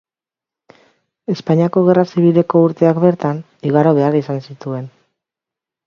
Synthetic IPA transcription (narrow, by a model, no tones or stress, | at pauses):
e̞spaɲiako̞ɣ̞e̞rasiβ̞ile̞ko̞uɾt̪e̞akβe̞ɾt̪an | iɣaɾo̞β̞e̞arisansit̪ue̞n